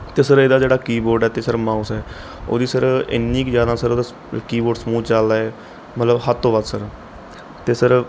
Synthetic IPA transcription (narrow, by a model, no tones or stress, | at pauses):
t̪eːsəɾeːd̪aːd͡ʒeːɽaːkiːboːɾɖɛːt̪eːsəɾmãːusɛː | o̰ːd̪iːsəɾɪ̰nːĩːkd͡ʒjaːd̪aːsəɾoːd̪aː | kiːboːɖsəmuːt͡ʃaːld̪aːɛː | mət̪ləbɦət̪ːõːbaːd̪səɾ | t̪eːsəɾ